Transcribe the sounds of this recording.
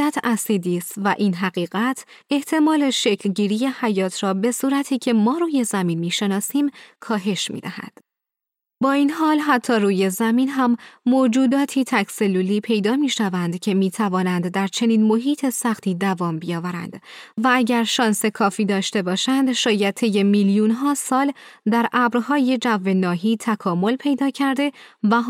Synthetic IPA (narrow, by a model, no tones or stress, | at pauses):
æt̪ʰæsiːd̪iːst̪væʔiːnɦæɣiːɣæt̪ʰe̞ht̪ʰe̞mɒːle̞ʃe̞cʰlɟiːɾije̞hæjɒːt̪ʰrɒːbe̞suːɾæt̪ʰiːcʰe̞mɒːɾuːje̞zæmiːnmiːʃe̞nɒːsiːmkʰɒːɦe̞ʃmḭːd̪æhæ̰d̪̥ | bɒːiːnɦɒːlɦæt̪ʰːɒːruːje̞zæmiːnɦæmːod͡ʒuːd̪ɒːt̪ʰiːt̪ʰæcse̞lːuːliːpʰe̞jd̪ɒːmiːʃævænd̪cʰe̞miːt̪ʰævɒːnænd̪ːæɾt͡ʃʰe̞niːnmo̞ɦiːt̪ʰe̞sæxt̪ʰiːd̪ævɒːmbijɒːvæɾæ̰nd̪̥vææɟæɾʃɒːnse̞kʰɒːfiːd̪ɒːʃt̪e̞bɒːʃænd̪ʃɒːjæd̪̚t̪ʰe̞je̞miːljuːnɦɒːsɒːld̪æɾʔæbɾɦɒːje̞d͡ʒævːe̞nɒːɦiːt̪ʰækʰɒːmo̞lpʰe̞jd̪ɒːcʰæɾd̪e̞væ